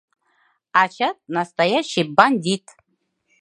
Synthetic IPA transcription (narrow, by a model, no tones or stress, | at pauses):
at͡ʃʰat̪̚nɐst̪ajaʃːijbanʲd̪ʲit̪ʰʼ